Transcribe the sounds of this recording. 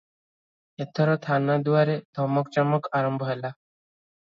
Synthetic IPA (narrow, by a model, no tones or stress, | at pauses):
et̪ʰɔɾɔt̪ʰanad̪uwaɾed̪ʱɔmɔkt͡ʃɔmɔkaɾɔmbʱɔɦela